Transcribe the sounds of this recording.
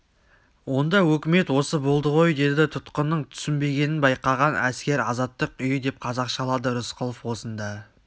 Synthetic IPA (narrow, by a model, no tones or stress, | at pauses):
wo̞nd̪ɑwɵkʲɪme̞t̪wo̞səbolˠd̪əʁo̞jd̪e̞d̪ɪt̪ʰʊt̪qənːəɴt̪ʰʏ̥sɪnbe̞ɡʲe̞nɪnbɑjqɑʁɑnæskʲe̞ɾɑzɑt̪ːəqʏjɪd̪e̞p̚qʰɑzɑqʃɑlˠɑd̪əɾʊsqʰʊlˠofwo̞sənd̪ɑ